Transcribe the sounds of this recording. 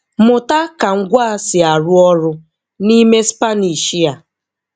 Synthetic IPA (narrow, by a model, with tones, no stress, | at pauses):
mʊ˨ta˦ka˨ŋ̩˦ɡʷa˦sɪ˨a˨ɾʊ˦ɔ˦ɾʊ˦ | ni˦me˦spa˦ni˨ʃi˦a˨